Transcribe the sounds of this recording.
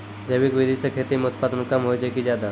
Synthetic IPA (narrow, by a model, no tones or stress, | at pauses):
d͡ʑ̪əʋikʋid̪isəkʰet̪imut̪̚pad̪nukamɦojd͡ʑekid͡ʑjad̪a